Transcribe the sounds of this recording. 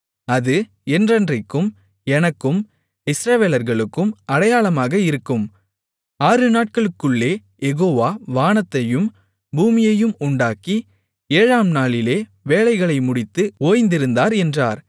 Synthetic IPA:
ɐðɯ | ɛndrɐndrɪkːɯm | ɛnɐkːɯm | ɪsɾɐʋeːlɐɾɣɐɭɯkːɯmɐɽɐjaːɭɐmaːɣɐɪɾɯkːɯm | aːrɯnaːʈ̚kɐɭɯkːɯɭːeː | jɛɣoːʋaːʋaːnɐt̪ːɐjɯm | buːmɪjɐjɯmʊɳɖaːki | eːɻaːmnaːɭɪleː | ʋeːlɐɪɣɐɭɐɪmʊɽɪt̪ːɯoːjnd̪ɪɾɯnd̪aːɾɛndra̰ːɾ

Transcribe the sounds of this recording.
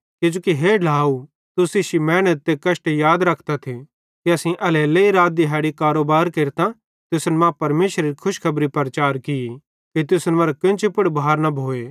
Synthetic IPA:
kɪd͡ʒoːkiɦeːlʱaːu | t̪ʊsɪʃimɛːñət̪̚ːekɐsʈejaːd̪ɾɐkʰt̪at̪ʰi | kiɐsĩʔɐleːleiɾaːd̪iɦɛːɽikaːɾoːbaːɾkeːɾt̪ã | t̪ʊsnmãpɐɾmeːʃɾeɾikʰʊʃkʰɐbɾipɐɾt͡ʃaːɾkɪi | kit̪ʊsnmɐɾakɪ̃nt͡ʃɪpɐɽbʱaːɾnɐbʱoːeː

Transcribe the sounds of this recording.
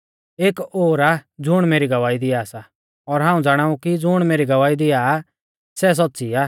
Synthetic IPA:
eːkoːɾad͡zʊɽ̃meːɾiɡɐʋaːid̪ɪjaːsa | ɔɾɦãːũd͡zaːɽ̃aːũkid͡zʊɽ̃meːɾiɡɐʋaːid̪ɪja | sɛs̬ɔtːsiaː

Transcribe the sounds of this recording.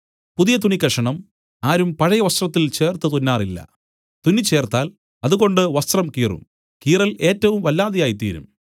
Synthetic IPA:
puðijɐt̪̬unikːɐʂɐɳɐm | aːɾumpɐɻɐjɐʋɐst̪rɐt̪ːilt͡ɕe̞ːrt̪ɨt̪unːaːrilːɐ̰ | t̪unit͡ɕːe̞ːrt̪aːl | ɐðuɣo̞ɳɖɨʋɐst̪rɐmkiːrṵm | kiːrɐle̞ːtːɐʋumʋɐlːaːðijaːjit̪ḭːɾṵm

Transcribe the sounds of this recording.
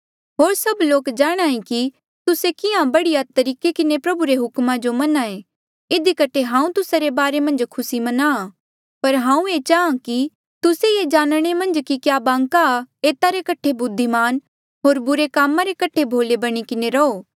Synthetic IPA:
ɦoːɾsɐbloːkd͡ʒaːɽ̃aːẽki | t̪ʊsekɪãbɐɽijat̪ɐɾiːkekɪnepɾɐbuɾeɦʊkmãd͡ʒomɐnaːẽ | ɪd̪ikɐʈʰeɦãːũt̪ʊsaɾebaːɾemɐ̃nd͡ʒkʰʊsimɐna | pɐɾɦãːũet͡ʃaːãki | t̪ʊseed͡ʒaːnɽ̃emɐ̃nd͡ʒkikjaːbãːŋkaeːt̪aɾekɐʈʰebʊd̪ʱːimaːn | ɦoːɾbʊɾekaːmãɾekɐʈʰebʱoːlebɐɽ̃ikɪneɾɐoː

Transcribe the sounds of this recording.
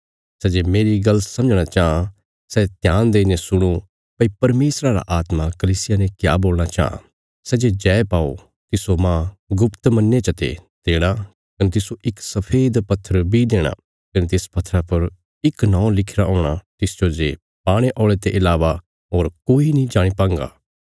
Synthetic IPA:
sɛd͡ʒeːmeːɾiɡɐlsɐ̃md͡ʒɽ̃at͡ʃaːã | sɛt̪jãːnd̪eːnẽsʊɽ̃o | pɐipɐɾmeːsɾaɾa̰ʔaːt̪makɐliːsɪjanẽkja̰ːboːlɽ̃at͡ʃa̰ːɦã̰ | sɛd͡ʒed͡ʒɛːepaːo̰ | t̪ɪsomãːɡʊpt̪mɐ̃nːet͡ʃɐt̪ḛd̪̥eːɽ̃a | kɐnet̪̬ɪsoʔɪksɐpʰeːd̪pɐt̪ʰːəɾbʱid̪eːɽ̃a̰ | kɐnet̪eːspɐt̪ʰːɾapɐɾ | ɪknɔ̃ːlɪkʰɾaɦõːɽ̃at̪ɪsd͡ʒod͡ʒe | paːɽ̃eʔɔːɭet̪eʔɪlaːʋa | ɦoːɾkoːinĩd͡ʒaːɽ̃ipãːŋɡa̰ː

